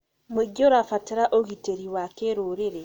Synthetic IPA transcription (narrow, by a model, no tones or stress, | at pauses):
mweɡioɾafateɾaʔoɣiteɾiwakeːɾoɾeɾe